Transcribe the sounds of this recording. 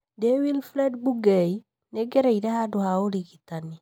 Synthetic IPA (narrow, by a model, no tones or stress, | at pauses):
dewilflɛdbuɡɛi | nɛɡɛɾɛiɾɛhadohaoliɡitani